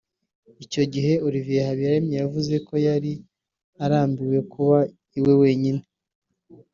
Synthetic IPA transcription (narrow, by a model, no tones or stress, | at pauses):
ico̞ɟiɦe̞uɾivijehaβijaɾimɲejavuze̞ko̞jaɾi | aɾaːmbiwe̞kuβa | iwe̞we̞ːɲine